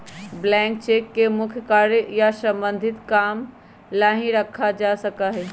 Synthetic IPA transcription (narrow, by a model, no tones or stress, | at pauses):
blɛ̃ːŋk̚t͡ʃeːkːemʊkʰjkaːɾjjasɐ̃mbə̃nd̪ʱɪt̪kaːm | laɦĩɾɐkʰad͡ʒaːsɐkaɦɛː